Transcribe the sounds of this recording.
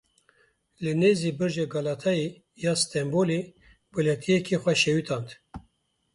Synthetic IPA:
lɨneːziːbɨɾʒeɡɑlɑːt̪ʰɑe | jɑːst̪ʰɛmboːleː | bɨlɛt̪ʰijɛkʰixʷɛʃɛwit̪ʰɑːnt̪

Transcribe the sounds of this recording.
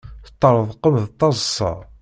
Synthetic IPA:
θə̥t̪ˤːəɾˤəðˤqəmðt̪ˤːɑzˤsˤɑ̰

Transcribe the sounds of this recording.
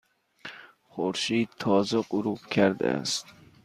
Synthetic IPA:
χoɾʃiːd̪̚t̪ʰɒːzeqʊɾubkʲʰæɾd̪æ̰æ̰st̪

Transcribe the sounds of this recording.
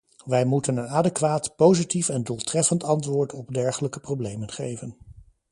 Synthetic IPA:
ʋɛjmutənənaːdekʋaːtpowzitifɛndulˠtrɛfəntɑntʋʊːɹtɔbdɛɹχələkə̥prowblejmənχejvən

